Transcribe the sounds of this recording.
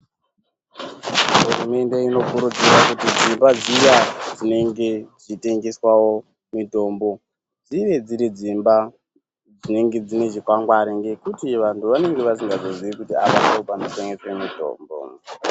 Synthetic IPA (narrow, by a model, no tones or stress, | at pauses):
ɦurume̞nde̞ino̞kuɾud͡ziɾakutid͡zimbad͡zijad͡zine̞ŋɡe̞ʐite̞ŋɡe̞swawo̞ | mito̞ːmbo̞ | d͡ziʋe̞d͡ziɾid͡zimba | d͡zine̞ŋɡe̞d͡zine̞ʐikwaŋɡwaɾiŋɡe̞kutiʋantuʋane̞ŋɡe̞ʋasiŋɡazo̞ziikutiaʋanaopanoteŋɡeswemito̞̰ːmbo̰